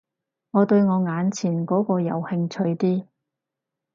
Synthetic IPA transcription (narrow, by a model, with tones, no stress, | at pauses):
ŋɔː˨˧t̪ɵ˧ɥŋɔː˨˧ŋaː˨˧nt͡sʰiː˨˩nkɔː˨˥kɔː˧jɐ̰˨˧whɪ˧ŋt͡sʰɵ˧ɥt̪iː˥